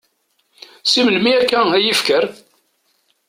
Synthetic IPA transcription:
siməlmiækːææjəfkəɾ

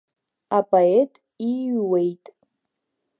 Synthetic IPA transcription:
apʼaetʼ | iɥwejtʼ

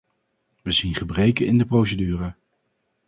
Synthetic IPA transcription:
ʋəzinχəbrejkənɪndəprowsədyːrə

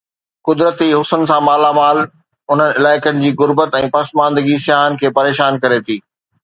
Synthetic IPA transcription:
kʊd̪ɾət̪iɦʊsənɪ̆sãmaːlamaːl | ʊn̤ənɪɪlaːɪkənɪ̆d͡ʑiːɣʊɾbət̪ɛ̃ːpɐsmãːnd̪əɡisɪjaːɦənɪ̆kʰeːpɐɾeːʃaːnkɐɾet̪ʰiː

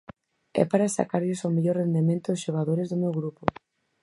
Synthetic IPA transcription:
ɛ̰paɾasa̰kaɾʎʊsawmeʎoɾrend̪emẽnt̪ʊsʃoɣ̞aðoɾezðʊmewɣɾupo

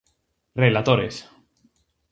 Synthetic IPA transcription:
relat̪oɾes

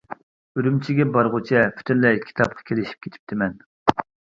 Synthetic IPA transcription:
øɾymt͡ʃʰiɡʲɛbɑɾʁʊt͡ʃʰɛpʰy̥t̪ʰynlɛkʲʰi̥t̪ʰɑp̚qʰɑ̥kʲʰelɪʃi̥p̚kʲʰe̥t̪ʰɪ̥p̚t̪ʰɪmɛn

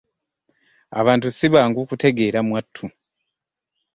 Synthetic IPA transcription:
a̰βaːntusiβaːŋɡukute̞ɡe̞ːɾamwatʰːu

